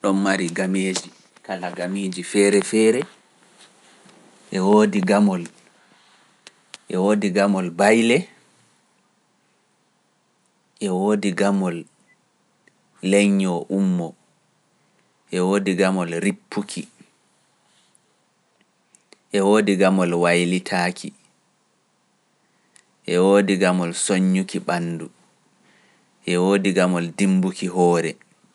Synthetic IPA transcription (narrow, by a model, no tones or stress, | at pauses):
ɗɔnːaɾiɡameːd͡ʒi | kalaɡameːd͡ʒifɛːɾɛfɛːɾɛ | ʔɛwoːdiɡamɔl | ʔɛwoːdiɡamɔlbajlɛ | ʔɛwoːdiɡamɔl | lɛɲːɔʔumːɔ | ʔɛwoːdiɡamɔlɾipʰːukʰi | ʔɛwoːdiɡamɔlwajlitʰaːkʰi | ʔɛwoːdiɡamɔlsoɲːukiɓanːdu | ʔɛwoːdiɡamɔldimbukiɦɔːɾɛ